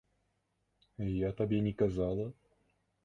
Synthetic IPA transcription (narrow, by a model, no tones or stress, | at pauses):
jat̪ɐbʲenʲɪkazɑlˠə